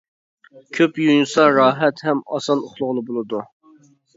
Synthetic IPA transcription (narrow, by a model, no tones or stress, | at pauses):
kʲʰøpjujnsɑɾɑːɦɛt̪hɛmɑsɑnoχlˠʊʁlˠɨbolˠɨd̪u